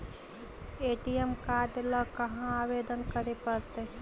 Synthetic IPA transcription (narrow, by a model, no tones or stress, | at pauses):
eʈijemkaɖləkɐɦãaʋed̪ənkəɾepəɾt̪e